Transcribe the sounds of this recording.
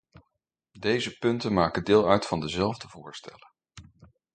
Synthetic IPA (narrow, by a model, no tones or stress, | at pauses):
dejzəpɵntənmaːkədɪːlˠœɥtfɑndəzɛlˠvdəv̥ʊːɹstɛ̰lə